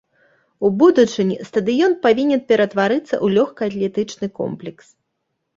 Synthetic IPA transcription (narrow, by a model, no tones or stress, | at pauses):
ubud̪ut͡ʂɨnʲist̪ɐd̪ɨjɔnpavʲinʲɛnpʲɛɾɐt̪vaɾɨt̪sːɐ̰ʔulʲɔxkɐɐt̪lʲɛt̪ɨt͡ʂnɨkɔ̰mplʲɛks